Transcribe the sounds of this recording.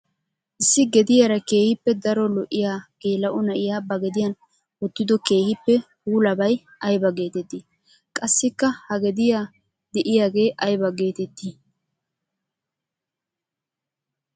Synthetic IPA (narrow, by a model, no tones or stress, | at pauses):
ʔɪsːɪɡɛd̪ɪjɐɾɐke̞ːhɪpːɛd̪ɐɾɔlɔʔɪjaːɡ̥eːlɐʔʊnɐʔɪjaːbɐɡɛd̪ɪjɐn | wɔt̪ːɪd̪ɔke̞ːhɪpːɛhuːlɐbɐj | ɐjbɐɡe̞ːt̪ɛt̪ːi | kʼɐsːɪkːɐhɐɡɛd̪ɪjaː | d̪ɛʔɪjaːɡe̞ːʔɐjbɐɡe̞ːt̪ɛt̪ːi